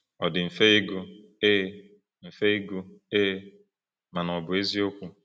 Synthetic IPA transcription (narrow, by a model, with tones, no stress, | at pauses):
ɔ˨dɪ˨m̩˨fe˦i˦ɡu˦ | e˦ | m̩˨fe˦i˦ɡu˦e˦ | ma˨nɔ˨bʊ˨e˦zi˦o˦kʷu˦